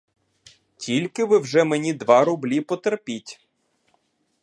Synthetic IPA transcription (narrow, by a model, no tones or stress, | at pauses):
tʲilʲkɪʋɪwʒɛmenʲid̪ʋɑɾʊblʲipɔt̪erpʲitʲ